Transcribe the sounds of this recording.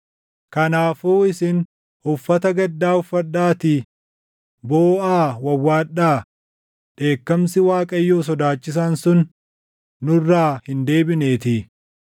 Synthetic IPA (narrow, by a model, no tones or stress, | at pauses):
kɐnaːfuːɪsɪn | ʊfːɐt̪ɐɡɐd̪ːaːʊfːɐɗːaːt̪ɪ | boːʔaːwɐwːaːɗaː | ᶑe̞ːkːɐmsɪwaːkʼɐjːoːs̬ɔd̪aːt͡ʃːɪs̬aːnsʊnː | ʊrːaːhɪnd̪e̞ːbɪne̞ːt̪ɪ